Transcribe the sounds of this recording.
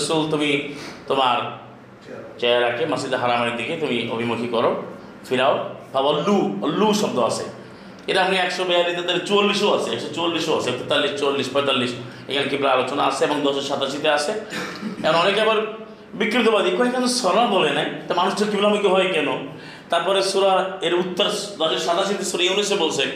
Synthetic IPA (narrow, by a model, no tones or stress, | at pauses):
sult̪umit̪omaɾ | t͡ʃɛɾakemasid̪eɦaɾamaɾid̪iket̪umio̰bʱimokʰikɔɾo | fiɾaobʱabɔlːuɔlːuʃɔbd̪oasʰḛ | eɾaapniɛkʃɔbɛad̪it̪ed̪eɾet͡ɕualːisoasʰeɛkʃɔt͡ɕualːiʃoaseɛt̪et̪alːiʃt͡ʃualːiʃpɔjt̪alːiʃ | ḛkʰanekibʱilaalot͡ʃonaaseebɔŋd̪ɔʃɔʃat̪aʃit̪easeeɔnɔnekɛbaɾ | bikːɾit̪̬obad̪ikonekʰanesɔnabɔlenajt̪amanuʃd͡ʒeɾkibilaamikoɦɔekɛno | t̪aɾpɔɾesuɾaeɾut̪ːɔɾd̪ɔseɾʃat̪aʃit̪esuɾaeonesebolsʰe